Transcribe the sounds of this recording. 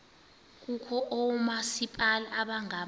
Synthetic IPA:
k̬ʼukʰɔʔɔmasipʼalaːɓaŋa

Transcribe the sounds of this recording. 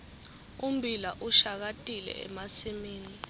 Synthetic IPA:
um̩bʱilaʔuʃak̬atʼilɛ̰ɛ̰masimiːni

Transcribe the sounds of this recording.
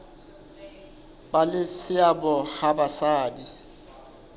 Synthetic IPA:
balɪsɪabɔhabasaːdi

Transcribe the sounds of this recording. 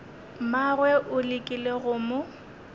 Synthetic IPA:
marwɛʔʊlɪkʼileɣʊmʊ

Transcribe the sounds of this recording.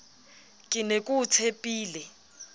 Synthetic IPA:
kʼɪnekʼutʰepʼiːlɛ

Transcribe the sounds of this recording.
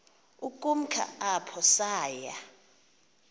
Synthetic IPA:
ukʼum̩kʰa̰ʔapʰɔsaːja

